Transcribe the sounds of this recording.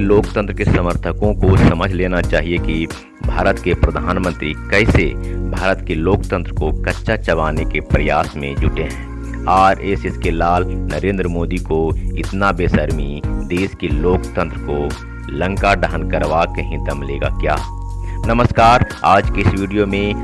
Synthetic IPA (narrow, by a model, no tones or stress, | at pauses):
loːkt̪ə̃nt̪ɾəkesɐməɾt̪ʰəkõkosɐməd͡ʒʱleːnat͡ʃaːɦieki | bʱaːɾət̪kepɾɐd̪ʱaːnmə̃nt̪ɾikɛːsebʱaːɾət̪keloːkt̪ə̃nt̪ɾəkokɐtːʃat͡ʃɐʋaːnekepɾɐjaːsmẽd͡ʒʊʈeɦɛ̃ː | aːɾeːsɪskelaːlnəɾẽːnd̪ɾəmoːd̪ikoɪt̪nabeːsəɾmid̪eːskiloːkt̪ə̃nt̪ɾəko | lə̃ŋkaɖəɦənkɐɾʋakeɦĩt̪ɐmlḛːɡa̰kja̰ː | nəməskaːɾ | aːd͡ʒkɪsʋiːɖijomẽ